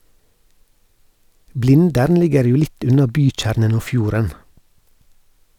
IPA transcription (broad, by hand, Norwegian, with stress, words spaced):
ˈblɪndəɾn ˈlɪɡəɾ ˈjuː ˈlɪt ˈʉnɑ ˈbyːˌc͡çæːɾnən ˈoː ˈfjuːɾən